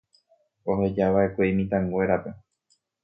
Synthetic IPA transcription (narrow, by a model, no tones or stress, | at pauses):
o̞ɦe̞d͡ʒaʋae̞kʷeimĩt̪ãŋɡwe̞ɾape̞